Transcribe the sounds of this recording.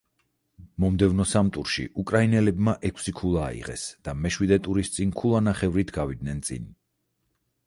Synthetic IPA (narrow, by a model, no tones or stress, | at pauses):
mɔmd̪ɛvnɔsamt̪ʼuɾʃḭʔukʼɾainɛlɛbmaʔɛkʰsikʰulˠa̰ːḭʁɛ̰sd̪̥amɛʃwid̪ɛt̪ʼuɾist̪sʼinkʰulˠanaχɛvɾit̪ʰɡavid̪̚nɛnt̪sʼḭn